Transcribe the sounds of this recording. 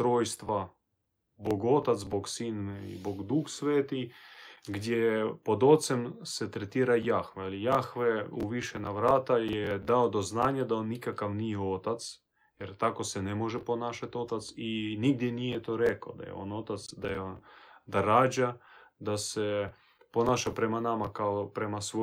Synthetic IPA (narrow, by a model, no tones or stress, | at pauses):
t̪ɾoːjst̪ʋa | boɡot̪at̪zboɡsinḭboɡd̪uxsʋeːt̪i | ɡd̪ʲjepo̞d̪o̞t̪semset̪ɾet̪iːɾajaxʋaalijaxʋeuʋiʃɛnaʋɾaːt̪ajed̪aod̪oznaːɲad̪aonːikakaʋnijeot̪at̪s | jeɾt̪ako̞senemoʒepo̞naːʃat̪o̞t̪at̪siniɡd̪jenijet̪oːɾeka̰d̪a̰jḛo̞̰no̞t̪at̪sd̪a̰jeond̪aɾaːd͡ʑad̪ase | po̞naːʃapɾe̞manamakaopɾemasʋo